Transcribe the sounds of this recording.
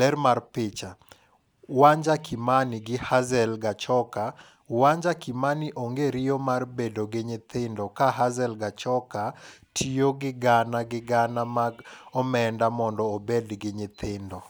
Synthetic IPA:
lɛɾmarpɪt͡ʃa | waɲd͡ʒakɪmanɪɡɪhazɛlɡat͡ʃɔka | waɲd͡ʒakɪmaniʔoŋɡeɾɪjomarbedoɡɪɲɪt̪ɪndɔkaɦazɛlɡat͡ʃɔkatʰijoɡɪɡanaɡɪɡanamaɡɔmɛndamɔndɔobedɡɪɲɪt̪ʰɪndɔ

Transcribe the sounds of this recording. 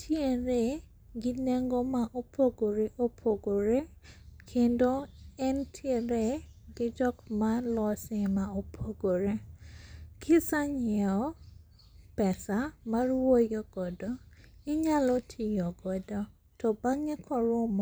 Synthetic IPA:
tʰjeɾe | ɡɪneŋɡomaʔopʰoɡoɾeʔopʰoɡoɾe | kʰendoɛntʰjeɾeɡɪd͡ʒɔkmalɔsɪmaopʰoɡoɾe | kʰɪsaɲɛɔ | pɛsamarwojɔɡ̥ɔdɔɪɲalɔtʰɪjɔɡɔdɔ | tɔbaŋɛkʰɔɾom

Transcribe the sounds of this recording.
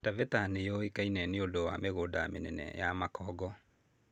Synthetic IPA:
tavɛtanejɔekainɛneondowameɣoːdamenɛnɛ̰jamakʰɔːɡɔ

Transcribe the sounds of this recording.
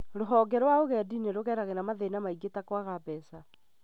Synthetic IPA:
ɾoɦɔɡɛɾwaoɣɛdineɾoɣɛːɾaɣenamaðenamaiɡetakwaɣabɛːsa

